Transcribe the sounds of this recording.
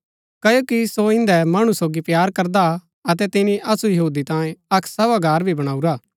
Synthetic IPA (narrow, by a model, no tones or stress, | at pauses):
kɐjoːkisoɪ̃nd̪ɛmaːɽ̃usoːɡipjaːɾkɐɾd̪a | ɐt̪ɛt̪ɪnĩʔɐsujɐɦuːd̪it̪ãːẽɐkʰsɐbaɡʱaːɾbʱibɐɽ̃aːuɾaː